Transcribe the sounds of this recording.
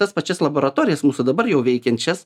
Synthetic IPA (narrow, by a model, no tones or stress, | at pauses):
t̪ɐspɐt͡ʃʲɛslˠɐboːɾɐt̪oːɾʲɪjɛsmuːsud̪ɐbɐɾjɛʊʋʲɛɪkʲɛnʲt͡ʃʲɛs